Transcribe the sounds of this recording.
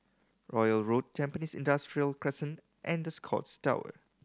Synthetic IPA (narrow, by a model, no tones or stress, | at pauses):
ɹɔjəlɹot̚tʰːɛ̃mpənisɪ̰̃ndastɹiəlkʰɹɛsə̃nt | ʔɛ̃nd̪əskʰɔ̰tstaʊə̰